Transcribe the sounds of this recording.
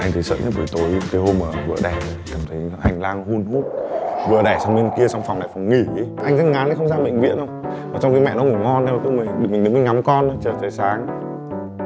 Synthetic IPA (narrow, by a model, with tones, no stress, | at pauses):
ʔa˧jŋ̟t̪ə˨˦jsə̰ː˧˨ɲə˦˥t̚və̰˧˩jt̪o˨˦jkaː˨˦jho˧mːəː˨˩vɨ̰˧əɗɛ˨˩˨kaː˨˩mt̪ʰə˨˦jʔa˧jŋ̟laː˧ŋhu˧nhu˦˥t̚vɨ˨˩əɗɛ˧˩sa˨˧wŋ͡mni˧nki˧əsa˧wŋ͡mfa˨˩wŋ͡mna˨˩jfa˨˧˩wŋ͡mŋi˧˩˨ʔa˧jŋ̟zə˦˥t̚ŋaː˨˦na˨˦xə˧ŋ͡mzaː˧ɓə̰˧˨ŋ̟vḭ˧˨ənʔə˧wŋ͡mvaː˨˩t͡ɕa˧wŋ͡mka˨˦mɛ̰˧˨nɔ˨˦ŋu˧˩əŋɔ˧nːa˨˧maː˨˩t̪o˧˦mi˨˩ŋɗɨ˨˩k̚mï˨˩ŋ˨ɨ˨˦kːa˨˧˦ŋa˨˦mkɔ˧nə˨˦t͡ɕəː˨˩t͡ɕəː˨˦jsaː˨˦ŋ